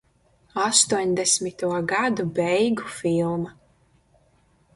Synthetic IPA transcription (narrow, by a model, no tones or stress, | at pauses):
ast̪uɔɲd̪ɛsmit̪uɔɡad̪ubʲɛjɡufilˠma